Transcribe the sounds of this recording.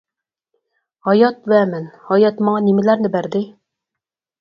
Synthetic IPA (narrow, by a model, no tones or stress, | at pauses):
ɒjɑt̪̚βæmɘnhɒjɑt̪mɒɴɑnimɘ̆læɾnɘbæɾd̪ɘ